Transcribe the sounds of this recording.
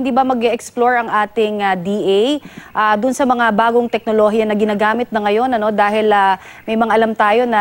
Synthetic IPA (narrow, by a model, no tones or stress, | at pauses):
ɪnd̪iːbɐmɐɡɛʔɛksploɹɐŋʔaːt̪ɪŋɐd̪iʔɛjʔad̪ʊnsɐmɐŋabaːɡo̞ŋt̪ɛk̚noloɦijɐnɐɡɪnaːɡaːmɪt̪̚nɐŋɐjo̞nɐno̞d̪aːhɪlɐmɐjmɐŋaʔɐlamt̪aːjo̞nɐ